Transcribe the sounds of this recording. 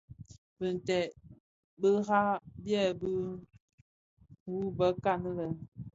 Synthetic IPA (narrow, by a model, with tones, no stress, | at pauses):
bə˨n˨tɛ˨ | bə˦ɣa˦bjɛ˦bə˦ | wu˦bə˦ka˦nə˦lə˨